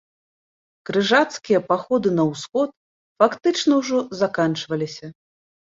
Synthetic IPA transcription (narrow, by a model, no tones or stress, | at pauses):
kɾɨʐat̪skʲijɐpaxɔd̪ɨnɐwsxɔt̪̚ | fakt̪ɨt͡ʂnɐwʐɔzakant͡ʂvɐlʲisʲɐ